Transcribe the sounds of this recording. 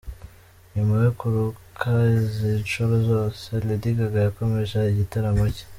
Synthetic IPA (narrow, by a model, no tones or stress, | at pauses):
ɲumawekuɾukʰazinʃuβozoːselidiɡaɡajakomeʃaiɟitaɾamoce̥